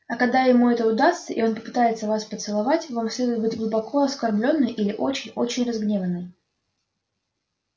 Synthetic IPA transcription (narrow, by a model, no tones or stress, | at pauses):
ɐkɐɡ̚d̪ajɪmuɛt̪əʊd̪ast̪səʔɪ̰o̞npəpɨ̥t̪ajɪt̪səvaspət̪sɨlˠɐvatʲvamsʲlʲed̪ʊjɪt̪̚bɨtʲɡlˠʊbɐkʰo̞ɐskɐrblʲo̞nːɨjʔilʲɪʔo̞t͡ɕɪnʲo̞t͡ɕɪnʲrɐzɡnʲe̞vənːɨj